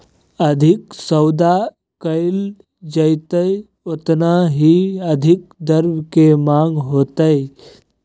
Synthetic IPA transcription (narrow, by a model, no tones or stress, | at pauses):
əd̪ʱɪksəwd̪a | kəɪl | d͡ʒət̪əj | ot̪naɦiəd̪ʱɪk̚d̪əɾbkemãːŋɡɦoːt̪əj